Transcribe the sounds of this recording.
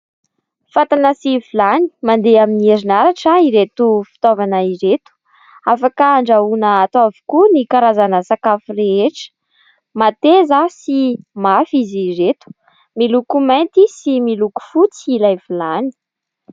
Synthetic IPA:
fat̪anəsivilani̥mand̪eaminieɾinaɾaʈ͡ʂaiɾet̪ufi̥t̪ovanaiɾet̪u̥ | afakaːɳɖ͡ʐaunəːt̪avu̥kunikaɾazanəsakafureeʈ͡ʂə̥ | mat̪ezasimafiziret̪u̥ | milukumajnt̪isimiluku̥fut͡silajvilani̥

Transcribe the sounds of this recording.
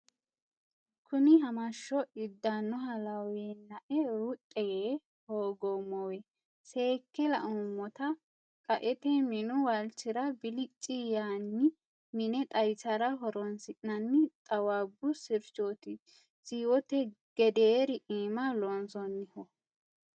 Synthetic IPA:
kʰʊnɪɦɐmɐʃːɔʔɪd̪ːanːɔɦɐlɐweːnːɐʔɛɾʊt̪ʼːɛjeː | hoːɡɔmːɔwɛ | seːkːɛlɐ̰ʔɔmːɔt̪ɐ | kʼɐʔɛt̪ɛmɪnʊwɐlt͡ʃːɪɾɐbɪlɪt͡ʃʼːijaːnːɪ | mɪnɛt̪ʼɐjsɐɾɐɦɔɾɔnsɪʔnɐnːɪt̪ʼɐwaːbːʊsɪɾt͡ʃːoːt̪ɪ | siːwɔt̪ɛ | ɡ̥ɛd̪eːɾɪʔeːmɐlɔnsɔnːɪhɔ

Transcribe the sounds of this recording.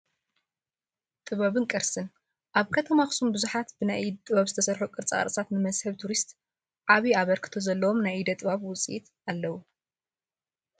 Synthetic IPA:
t̪ʼɨβaβɨnkʼɨɾsɨn | ʔaβkʰɐt̪ʰɐmaxsumbɨzuħat̪bɨnaj̪t̪ʼɨβaβzɨt̪ʰɐsɐɾħokʼɨɾt͡sʼa̰a̰ɾʼt͡sʼat̪nɨmɐzhɐβt̪ʰuɾist̪ʼ | ʕaβiaβɐɾkʰɨ̥t̪ʰɐzɐlːɐwomnajid̪ɐt̪ʼɨβaβwʊt͡sʼiʔḭt̪ | alːɐwu

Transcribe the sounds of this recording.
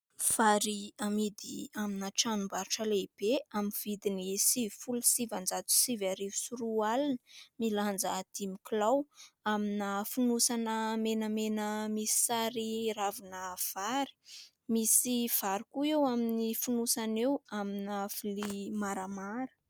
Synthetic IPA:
v̥aɾiamid̪iaminaʈ͡ʂanumbaɾuʈ͡ʂəleb̥eaminv̥id̪inisifulusivand͡zat͡s̪u̥sivaɾivusuɾualanəmiland͡zad̪̥imiklawaminafunusanəmenəmenəmisi̥saɾiɾavunəv̥aɾi̥ | misiv̥aɾikuewaminifunusanewaminafilimaɾamaɾə̥

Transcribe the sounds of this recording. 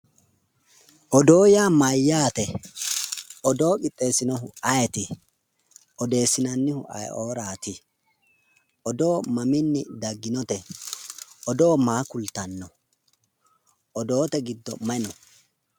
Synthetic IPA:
ʔɔd̪o̞ːjaːmɐjːaːt̪ɛ | ɔd̪o̞ːkʼɪt̪ʼːe̞ːsːɪnɔɦʊʔɐjɛt̪ɪ | ʔɔd̪e̞ːsːɪnɐnːɪhʊ̰ʔɐ̰jʔoːɾaːt̪ɪ | ʔɔd̪oːmɐmɪnːɪd̪ɐɡːɪnɔt̪ɛ | ʔɔd̪o̞ːmaːkʊlt̪ɐnːɔ | ʔɔd̪o̞ːt̪ɛɡɪd̪ːɔ̰mɐnɔ

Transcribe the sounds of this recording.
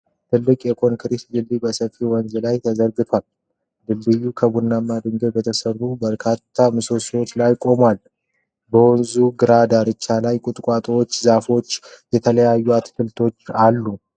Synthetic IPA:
t̪ʰɨlːɨkʼjɛkʰo̞ŋkʰɨɾisd̪ɨlːibəsəfiwɔnzɨlajt̪ʰəzəɾɡɨt̪ʰwal | d̪ɨlːɨjːukʰəbunːamːad̪ɨŋɡəbət̪ʰəsəubəɾkʰat̪ʰːamɨsoswot͡ʃːlajkʼo̞mwal | bəwɔnzuɡɨɾad̪aɾɨt͡ʃːalajkʼʊt̪ʼkʼat̪ʼwot͡ʃːzafo̞t͡ʃːjɛt̪ʰələjajːuat̪fɨlt̪ʰo̞t͡ʃːalːu

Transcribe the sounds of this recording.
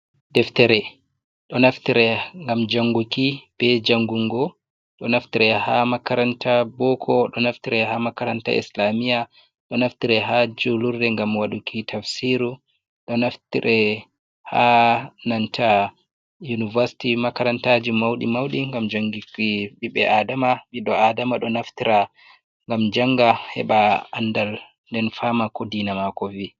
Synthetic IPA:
d̥ɛftɛɾɛ | ɗɔnaftiɾɛŋɡamd͡ʒaŋɡukib̥ɛd͡ʒaŋɡuŋɡɔ | ɗɔnaftiɾɛhamakaɾantʰabɔkʰɔɗɔnaftiɾɛhamakaɾanta̰ʔḭslamija | ɗɔnaftiɾɛɦad͡ʒuluɾdɛŋɡamwaɗukʰitʰafsiɾu | ɗɔnaftḭɾʔɛ | hanantʰa | junivaɾsi̥timakaɾantad͡ʒimawɗḭmawɗiŋɡamd͡ʒaŋɡikiɓiɓɛʔadamaviɗɔadamaɗɔnaftiɾa | ŋɡamd͡ʒaŋɡahɛ̰ɓaa̰ndal | ndɛnfamakodinamakɔvi

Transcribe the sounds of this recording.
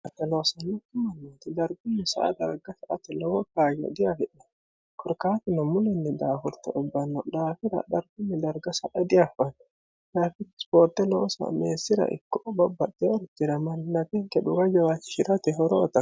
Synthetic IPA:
ɐt̪ːɐloːsɐnːɔt̪ɪmɐnːat̪ɪd̪ɐɾɡʊnːɛsɐ̰ʔɐ̰d̪ɐɾɡɐsɐʔɐt̪ɛlɔwɔkaːjɔ̰d̪ɪjahɛᶑɛ | kʰɔɾkaːt̪ɪnɔmʊlɛnːɛd̪aːfɔɾt̪ːɛ̰ʔɔbːɐnːɔd̪aːfɪɾɐ̰d̪ɐɾɡʊnːɛd̪ɐɾɡɐsɐʔɐd̪ɪjafɐnːɔ | laːfɪspoːɾt̪ːɛloːsɐ̰meːsːɪɾɐ̰ʔɪ̰kːɔbɐbːɐt̪ːɛɔɾt̪ːɪɾɐmɐnnɐk̪ɛŋkɛᶑʊɡɐd͡ʒɐwat͡ʃːɪ̥ʃɪɾɐt̪ɛɦɔɾɔɔt̪ːɐ

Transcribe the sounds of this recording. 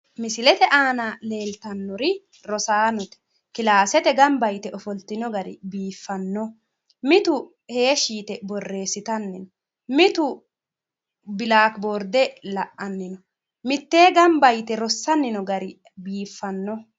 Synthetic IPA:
mɪsɪlɛt̪ɛʔaːnɐle̞ːlt̪ɐnːɔɾɪ | ɾɔsaːnɔt̪ɛ̥ | kɪlaːsɛt̪ɛɡɐmbɐjt̪ɛʔɔfɔlt̪ɪnɔɡɐɾɪ̰biːfːɐnːɔ | mɪt̪ʊ | he̞ːʃiːt̪ɛbɔrːe̞ːsːɪt̪ɐnːɪnɔ | mɪt̪ʊ | bɪlaːkbɔɾd̪ɛlɐʔːɐnːɪnɔ | mɪt̪ːe̞ːɡɐmbɐjt̪ɛɾɔsːɐnːɪnɔɡɐɾɪ | biːfːɐnːɔ

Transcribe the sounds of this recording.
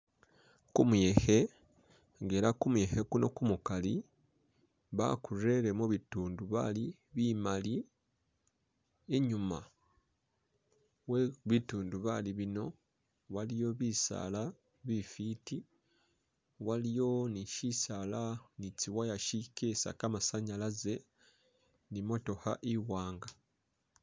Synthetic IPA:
kumuje̞he̞ | ŋɡeɾakumuje̞he̞kuno̞kumukali | βa̰kuɾe̞ɾe̞moβituːnduβa̰li | βimali | eɲuma | weβituːnduβaliβino̞ | walijo̞βisa̰la | βifiti | walijo̞niʃisalanit͡siwajaʃikesa̰kamasaɲalaze̞ | nimo̞to̞ha̰ʔiwaːŋɡa

